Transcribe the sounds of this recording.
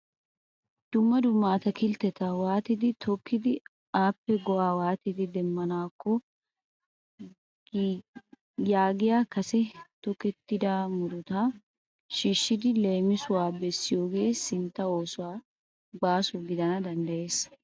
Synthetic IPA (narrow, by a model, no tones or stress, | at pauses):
d̪̥ʊmːɐd̪ʊmːaːt̪ɐkɪlt̪ɛt̪ɐwaːt̪ɪd̪ɪt̪ʰɔkːɪd̪ɪ | aːpːɛɡɔʔaːwaːt̪ɪd̪ɪd̪ɛmːɐnaːkːɔ | jaːɡɪjaːkɐsɛt̪ɔkːɛt̪ːɪd̪aːmʊd̪ʊt̪aː | ʃiːʃːɪd̪ɪleːmɪsʊwaːbɛsːɪjoːɡeːsɪnt̪ːɐo̞ːsʊwaː | baːsʊɡɪd̪ɐnɐd̪ɐnd̪ɐʔe̞ːs